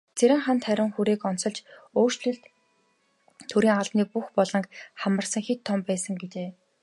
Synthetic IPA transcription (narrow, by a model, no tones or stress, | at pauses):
t͡sʰeɾʲɪ̆ŋχant̪χæɾʲɪ̆ŋxuɾeːkɔn̥sɞ̆ɮt͡ɕoːr̥t͡ɕɮɘ̆ɮt̪ | t̪ʰɵɾiːŋaɮniːk̚puxpɔɮɞ̆ŋkχamə̆rsə̆ŋxet̪ʰːɔmpæːsə̆ŋɡet͡ɕeː